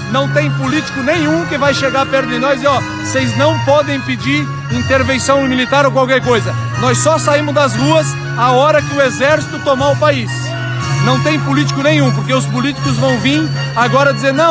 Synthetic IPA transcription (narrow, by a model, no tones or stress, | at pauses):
nɐ̃w̃t̪ẽj̃pulit͡ʃi̥kʊnẽj̃ũkɪvajʃeɡaɾpɛɾd̪ɪ̃nɔjzɪɔ | sejznɐ̃w̃pɔd̪ẽj̃pɪd͡ʒiɾ | ĩnt̪eɾvẽsɐ̃w̃ɪ̃milit̪aɾowkwawkɛɾkojzɐ | nɔjsːɔsaĩmʊzd̪ɐzʁuɐs | aɔɾɐkɪʊezɛɾsi̥t̪ʊt̪omoʊpais | nɐ̃w̃t̪ẽj̃pʊlit͡ʃi̥kʊnẽj̃ũpoɾkeʊspʊlit͡ʃi̥kʊzvɐ̃w̃vĩ | aɡɔɾɐd͡ʒizeɾnɐ̃w̃